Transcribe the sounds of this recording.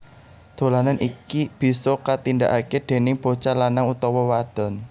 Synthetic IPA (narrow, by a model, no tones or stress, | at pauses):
d̪̥o̤lananʔikib̥i̤sɔkat̪inda̰ʔaked̪̥e̤nɪŋb̥ot͡ʃalanaŋut̪ɔwɔwad̪̥ɔ̤n